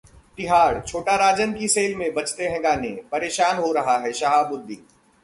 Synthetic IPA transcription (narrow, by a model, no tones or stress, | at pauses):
t̪ɪɦaːɽt͡ʃʰoːʈaɾaːd͡ʒənkiseːlmẽbɐt͡ʃt̪eɦɛ̃ɡaːnẽpɐɾeːʃaːnɦoɾɐɦaɦɛʃaɦabʊɾd̪iː